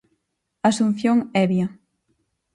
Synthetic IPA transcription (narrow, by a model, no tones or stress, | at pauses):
asun̟θjoŋɛβjɐ